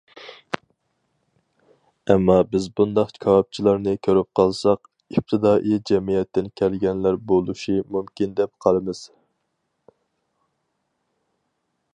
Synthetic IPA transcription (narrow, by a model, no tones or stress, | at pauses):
ɛmːɑbɪzbund̪ɑqkʲʰɑwɑp̚t͡ʃʰilˠɑɾnɨkʲʰøɾyp̚qʰɑlˠsɑq | ip̚t̪ʰɨd̪ɑːʔid͡ʒɛmijɛt̪ːɪnkʲʰælɡʲɛnlæɾbolˠuʃimumkʲʰind̪ɛp̚qʰɑlˠɨmɨz̥